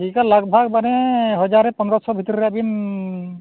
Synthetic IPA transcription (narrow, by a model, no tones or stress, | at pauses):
ikalaɡbʱaɡbanɛɦɔd͡ʒaɾɛpɔnɾɔsɔbʱit̪ɔɾɾɛabin